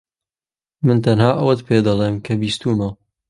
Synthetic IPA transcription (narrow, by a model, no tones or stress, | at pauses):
mɨnt̪ʰɐnhaːʔɐwɐt̪pʰeːd̪ɐlˠeːmkʰɐbiːst̪umɐ